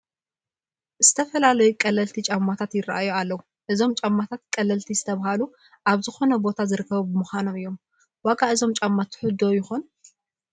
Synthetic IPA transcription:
z̥ɨt̪ʰɐfɐlalɐjukʼɐlːɐlt̪ʰit͡ʃʼamːat̪ʰat̪jɪra̰ʔajːualːɐwu | ʔɨzo̞mt͡ʃʼamːat̪ʰat̪̚kʼɐlːɐlt̪ʰizɨ̥t̪ʰɐβahalu | ʔaβzɨxo̞nɐbo̞t̪ʰazɨɾɨkːɐβubɨmɨxʷano̞mɨjːo̞m | waɡaʔɨzo̞mt͡ʃʼamːat̪ʰħʊd̪ojɪxon

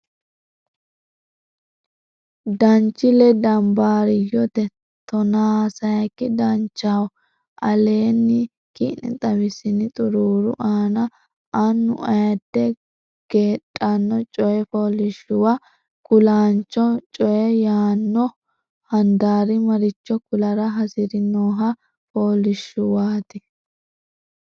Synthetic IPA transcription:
d̪ɐnt͡ʃːɪlɛd̪ɐmbaːɾɪjɔt̪ɛ | t̪ɔnaːsɐjɐkːɪd̪ɐnt͡ʃːaw | ʔɐle̞ːnːɪ | kḭnɛ̰t̪ʼɐbɪsɪnɪt̪ʼʊɾuːɾʊ̰ʔaːnɐ | ʔɐnːʊ̰ʔɐjɐd̪ːɛ | ɡ̥e̞ːɗʼanːɔt͡ʃʼɔjɛfoːlɪʃʊwa | kʊlaːnt͡ʃːɔt͡ʃʼɔjɛjaːnːɔ | hɐnd̪aːɾɪmɐɾɪt͡ʃːɔkʊlɐɾɐɦɐsɪɾɪnoːɦɐ | foːlɪʃːʊwaːt̪ɪ

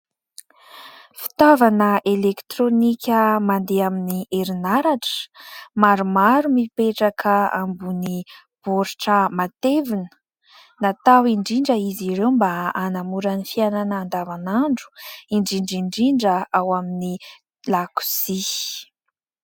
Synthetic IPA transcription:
fi̥t̪avanəʔelekt̪ɾonikʲəmand̪eaminiʔeɾinaɾaʈ͡ʂə̥maɾumaɾumipeʈ͡ʂakʰəa̰mbuni | b̥oɾiʈ͡ʂəmat̪evinə̥ | nat̪awiɳɖ͡ʐiɳɖ͡ʐəiziɾewmbaanamuɾənifiananaːnd̪avanaɳɖ͡ʐu̥iɳɖ͡ʐiɳɖ͡ʐiɳɖ͡ʐiɳɖ͡ʐəawamini | laku̥si

